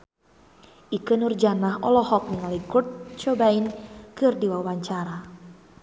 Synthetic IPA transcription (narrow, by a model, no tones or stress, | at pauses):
ʔikənurd͡ʒanaɦɔlɔhɔk̚niŋaliɡurt̪̚t͡ʃɔbainkɨrdiwawaɲt͡ʃaɾa